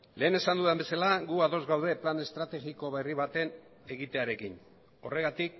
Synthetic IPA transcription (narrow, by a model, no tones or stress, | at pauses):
le̞ːne̞sand̪uðembe̞salaɣuaðozɣawð̞e̞plane̞st̪ɾat̪e̞ɣiko̞βeriβ̞at̪e̞n | e̞ɣ̞it̪e̞aɾe̞kin | o̞̰re̞ɣ̞at̪ik̚